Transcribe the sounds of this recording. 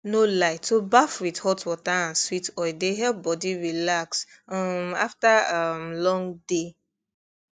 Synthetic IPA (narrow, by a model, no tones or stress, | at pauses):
nolaɪtːobafwidhɔtwɔtaãnswitɔɪdeɦɛbɔdiɹilaks | ma̰ftaamlɔ̃ŋde